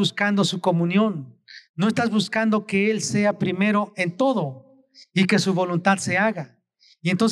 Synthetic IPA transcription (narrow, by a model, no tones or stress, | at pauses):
uskand̪o̞suko̞mũnjõ̞nːo̞est̪azβuskand̪o̞ke̞else̞apɾime̞ɾo̞e̞nt̪o̞ðo̞ | ike̞suβo̞lunt̪aðse̞aɣa | jent̪ons